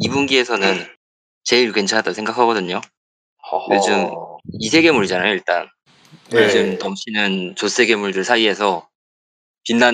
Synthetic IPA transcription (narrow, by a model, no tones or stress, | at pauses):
ibunɡie̞sʰʌnɯn | t͡ɕe̞iɭkwe̞nt͡ɕʰanɦadasʰe̞ŋɡakʰaɡʌdɯɲo | ed͡ʑɯmisʰe̞ɡe̞muɾid͡ʑanajoiɭt͈a̰n | ɯd͡ʑɯmnʌmɕʰinɯnt͡ɕos͈ʰe̞ɡe̞muɭdɯɭsʰaie̞sʰʌ | pinːa